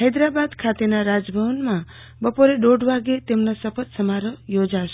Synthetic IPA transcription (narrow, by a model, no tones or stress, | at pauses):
ɦəjd̪ɾabad̪kʰat̪enaɾad͡ʒbʱəʋənmã | bəpoɾeɖoɖʋaɡet̪emnosəpʰət̪səmaɾəjod͡ʒaʃe